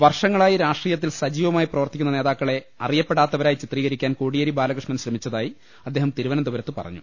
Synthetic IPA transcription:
ʋɐrʂɐŋːɐɭaːjiɾaːʂʈriːjɐt̪ːilsɐd͡ʑiːʋɐmaːjiprɐʋɐrt̪ːikʲːunːɐne̞ːðaːkːɐɭe̞ | ɐrijɐpːe̞ɽaːt̪ːɐʋɐɾaːjit͡ɕit̪riːɣɐɾikʲːaːnkoːɽijɐɾibaːlɐkrɨʂɳɐmɕɾɐmit͡ɕːɐðaːji | ɐd̪ːe̞ːɦɐmt̪iɾuʋɐnɐnd̪uʋɐɾɐt̪ːɨpɐ̰rɐ̰ɲːṵ

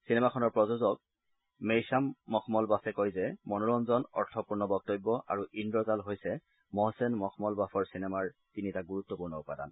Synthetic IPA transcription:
sinɛmakʰɔnɔɹpɹɔzozɔk | mejsamːɔkʰmɔlbafʰɛkojzɛmɔnuɹɔnzɔnɔ̰ɹtʰɔpuɹnɔbɔk̚tobːɔʔa̰ɹuʔindɔzalɦojsɛ | mɔsɛnmɔkʰmɔlbafʰɔɹsinɛmaɹtinitaɡuɹutːɔpuɹnɔʊpada̰n

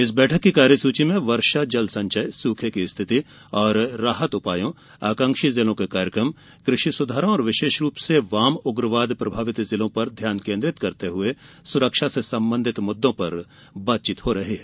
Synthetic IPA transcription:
ɪsbɛːʈʰəkːikaːɾjəsuːt͡ʃimẽʋɐɾʃad͡ʒɐlsɐ̃ɲt͡ʃəjsuːkʰekist̪ʰɪt̪i | ɔːɾːaːɦət̪ʊpaːjõ | aːkə̃ŋkʃizɪlõkekaːɾjəkɾəm | kɾɪʃisʊd̪ʱaːɾõɔːɾʋɪʃeːʃɾuːpseʋaːmʊɡɾəʋaːd̪pɾɐbʱaːʋɪt̪zɪlõpɐɾd̪ʱjaːnkẽːnd̪ɾɪt̪kɐɾt̪eɦʊe | sʊɾəkʃasesɐ̃mbə̃nd̪ʱɪt̪mʊd̪ːõpɐɾ | baːt̪t͡ʃɪt̪hoɾɐɦeɦɛː

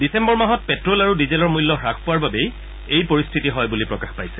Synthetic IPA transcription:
disɛmbɔɹmaɦɔt̚pɛtɹɔlaɹudizɛlɔɹmujlːɔɹakʰpʊwaɹbabej | ejpoɹistʰitiɦɔjbulipɹɔkaxpajsɛ̥

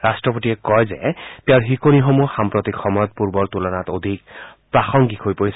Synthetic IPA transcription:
ɹastɹɔpotiɛkɔjzɛ̰tɛɹɦikonixomuxampɹot̪ikʰːɔmɔjɔt̪̚puɹbɔɹt̪ulɔnatod̪ʱik̚pɹaxɔŋɡikʰojpoɹisɛ

